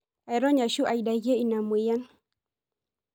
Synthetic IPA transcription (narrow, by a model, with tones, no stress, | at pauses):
a˨jɾɔ˦ɲa˨ʃu˦ʔa˨ida˨ɣe˦i˨na˨mu˨i˦ja˦n